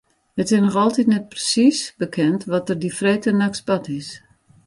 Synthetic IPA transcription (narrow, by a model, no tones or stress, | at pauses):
ətɪsnɔxɔlˠtitnɛt̚prəsisb̥əkʰɛntʋɔtərdifreːtənaksbatɪs